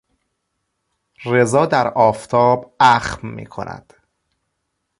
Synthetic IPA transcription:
re̞zɒːd̪æɾɒːft̪ʰɒːbæxmmḭːkʰo̰nʔæ̰d̪̥

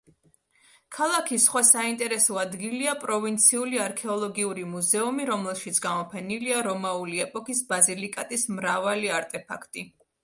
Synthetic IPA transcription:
kʰalˠakʰisχwasaint̪ʼɛɾɛsɔad̪ɡiliapʼɾɔvint̪sʰiuliaɾkʰɛɔlˠɔɡiuɾimuzɛumiɾɔmlɛlˠʃit̪sʰɡamɔpʰɛniliaɾɔmauliɛpʼɔkisbazilikʼat̪ʼismɾavaliaɾt̪ʼɛpʰa̰kʰt̪ʼi

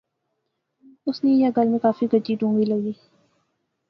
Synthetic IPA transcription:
ʊsnejaɡʱɐɾmẽkaːfiɡɐd͡ʒd͡ʒiʈũːŋɡilɐɡiː

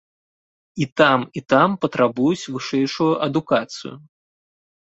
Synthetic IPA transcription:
it̪amit̪ampɐt̪ɾabujut͡sʲvɨʂɛjʂujuʔɐd̪ukat̪sɨ̰jṵ

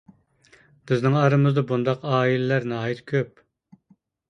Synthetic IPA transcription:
b̥ɪznɪŋɑɾɨmɨzd̪ɑbund̪ɑqɑːilɪlæɾnɑɦjit̪kʲʰøp̚

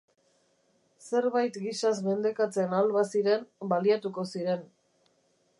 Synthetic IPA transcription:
se̞ɾβajt̪ɡisazme̞nd̪e̞kat͡se̞nalβasiɾe̞nbaliat̪uko̞siɾe̞n

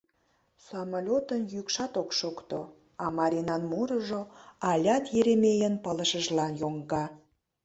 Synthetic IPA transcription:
somɑlʲot̪ənjykʃɑt̪okʃokt̪o | ɑmɑɾʲinɑnmuɾəʒoɑlʲɑt̪jeɾemejənpələʃəʒlɑnjoŋɡɑ

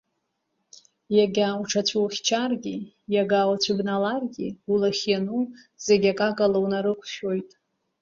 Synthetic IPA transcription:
jaɡʲauʈ͡ʂʰat͡ɕʷʰuwχʲt͡ʃʰarɡʲi | jaɡawat͡ɕʷʰɪbnalarɡʲiulaχʲjanu | z̥eɡʲakʼakʼalawnaɾɨkʷʰʃo̞jtʼ

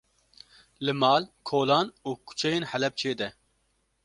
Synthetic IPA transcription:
lɨmɑːlkʰoːlɑːnuːkʰu̥t͡ʃʰɛjeːnħɛlɛp̚t͡ʃʰeːd̪ɛ

